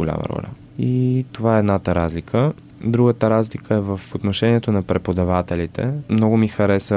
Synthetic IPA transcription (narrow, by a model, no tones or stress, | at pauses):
olʲa̰mə̰ɾɔ̰lʲə̰ | it̪ovaɛːd̪nat̪əɾazlikʰə | d̪ɾuɡət̪əɾazlikʰəɛvəfot̪noʃɛniɛt̪onɐpɾɛpod̪ɐvat̪ɛlit̪ɛ̰mnɔɡʊmixɐɾɛsə